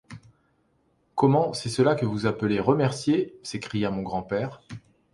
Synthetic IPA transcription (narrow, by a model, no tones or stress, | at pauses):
kɔmɑ̃sɛsəlakəvuzapəleʁəmɛʁsjesekχijamɔ̃ɡʁɑ̃pɛːʁ